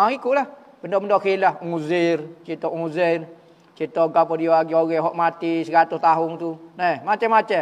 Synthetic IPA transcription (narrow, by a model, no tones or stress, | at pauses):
aikuʔlah | bəndɔməndɔkilahŋuzirt͡ʃit̪ɔʔŋuzir | t͡ʃit̪ɔɡapɔdioaɡioɡɛɦɔʔmat̪isəkat̪ust̪aɦʊnt̪unɛhmat͡ʃəmat͡ʃɛ